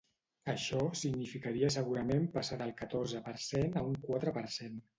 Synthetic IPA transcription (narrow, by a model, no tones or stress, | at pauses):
əʃɔsiɡnifikaɾiəs̬əɣuɾəmempəsaðəlˠkət̪orzəpəɾsenəuŋkwat̪ɾəpəɾsen